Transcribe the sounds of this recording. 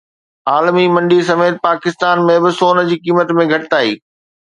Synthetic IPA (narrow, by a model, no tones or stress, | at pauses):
aːlmimɐ̃ɳɖis̬ɐmeːt̪̚paːkɪst̪aːnmẽbɪsoːnə̆d͡ʑiːkiːmət̪mẽɡʱɐʈɪt̪aːḭː